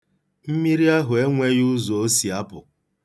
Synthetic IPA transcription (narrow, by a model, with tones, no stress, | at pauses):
m̩˦mi˦ɾi˦a˦ɦʊ˨e˦ŋʷe˦jʊ˦zo˨o˦si˨a˦pʊ̰˨